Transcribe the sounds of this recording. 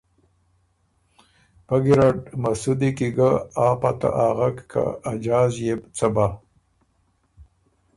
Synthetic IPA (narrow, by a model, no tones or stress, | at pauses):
paɡiɾaɖmasud̪ikiɡaaːpat̪a̰ʔaːɣakkʰa̰ːd͡ʒaːzjebt͡sɐba